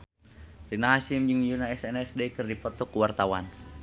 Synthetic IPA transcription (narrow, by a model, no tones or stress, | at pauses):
rinaɦaʃimd͡ʒɨŋjunaɛsɛnɛsdekɨrdipɔt̪ɔkuwart̪awa̰n